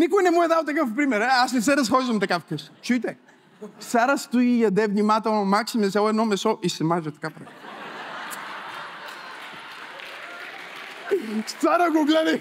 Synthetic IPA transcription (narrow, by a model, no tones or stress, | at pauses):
nikʊjnɛmuɛd̪awt̪ɐkəfpɾimɛɾɛasnɛs̬ɛɾɐsxɔizvɐmt̪ɐkafkəʃt͡ʃujt̪ɛ | saɾəst̪uijɐd̪ɛvnimat̪ɛlˠnɐmaksimit̪sʲalˠɛd̪nɔmɛsɔʔisɛmaʒɛt̪ɐ̥kapɾa | st̪aɾəɡoɡlɛd̪ɛ